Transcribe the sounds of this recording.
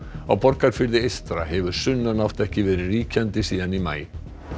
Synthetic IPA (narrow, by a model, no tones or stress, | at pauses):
a̰pʰɔɾkaɾfʏlðɪest̪ɾa̰ɦɛvʏɾ̥sʏnːanaft̪ɛhcɪvɛːɾɪɾiːcant̪ɪsiːðanima̰j